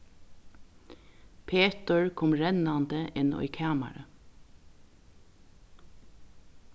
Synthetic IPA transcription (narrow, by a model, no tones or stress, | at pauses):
pʰeːt̪əɹkʰɔmɹɛnɑnd̪əʔɪnɔ̰iːkʰæːma̰ɾə̰